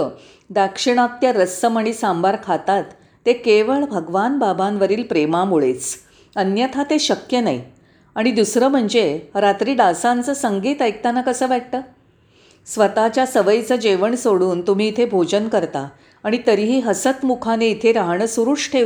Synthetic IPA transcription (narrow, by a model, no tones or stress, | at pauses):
ə | d̪akʂiɳ̃at̪jaɾəsːəməɽ̃iːsambaɾkʰat̪at̪ː | ekeʋəɭbʱəɡʋanbabʱanʋəɾiːlpɾemamuɭet͡s | ənjət̪ʰat̪eɕəkjənai | aɽ̃id̪usɾəm̤əɳd͡zeɾat̪ɾiːɖasant͡səːsəŋɡiːt̪əjk̚t̪anakəsəːʋaʈ̚t̪əː | sʋət̪at͡ɕjasəʋəjt͡səd͡ʑeʋəɳsoɽuːnt̪um̤iːt̪ʰebʱod͡ʑənkəɾt̪aː | ɽ̃it̪əɾiɦiːɦəsət̪mukʰaneit̪ʰeɾaɦɳəsuɾuʂʈʰe